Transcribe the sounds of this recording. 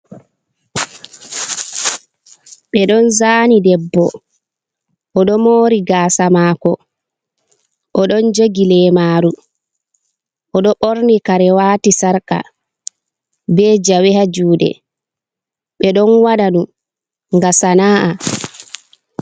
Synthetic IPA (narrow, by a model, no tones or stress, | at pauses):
ɓɛɗɔnzaːnidɛbːɔ | ʔɔɗɔmoːɾiɡaːsamaːkɔ | ʔɔɗɔnd͡ʒoɡilɛmaːɾu | ʔɔɗɔɓɔɾnikaɾɛwaːtisaɾka̰ | bɛːd͡ʒawɛhad͡ʒuːdɛ̰ | ɓɛɗɔnwaɗaɗum | ŋɡasanaːʔa